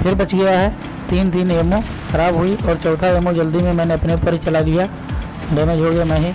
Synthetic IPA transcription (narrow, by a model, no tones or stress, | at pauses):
pʰɪɾbɐt͡ʃɡɐjaɦɛ | t̪iːnt̪iːneːmõ | xɐɾaːbɦʊiɔːɾt͡ʃɔːt̪ʰaemõd͡ʒɐld̪imẽmɛ̃ːneɐpnepəɾit͡ʃɐlalija | ɖemẽd͡ʒʱoːɡemɛ̃ːɦĩ